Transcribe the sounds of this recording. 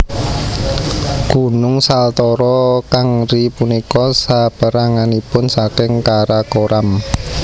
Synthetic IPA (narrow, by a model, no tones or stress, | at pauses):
ɡ̥ṳnʊŋsalt̪ɔɾɔkaŋɾipunikɔsapəɾaŋanipʊnsakɪŋkaɾakoɾʔam